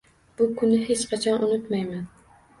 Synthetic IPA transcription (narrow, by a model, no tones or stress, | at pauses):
b̥ʊkʰʊnːɪɦet͡ʃqʰɑt͡ʃʰɒnʔʊnʊt̪majmæn